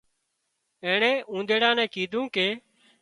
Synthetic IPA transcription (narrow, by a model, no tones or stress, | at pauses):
ẽːɳɛ̃ːʔũːnd̪eːɽãːnɛ̃ːkiːd̪ʱũːkeː